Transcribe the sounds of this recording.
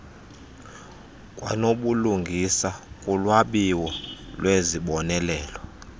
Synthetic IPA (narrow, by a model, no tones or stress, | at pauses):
kʼwa̰noɓuluŋɡʱisakʼulwaɓiwɔlweziɓɔnɛlɛːlɔ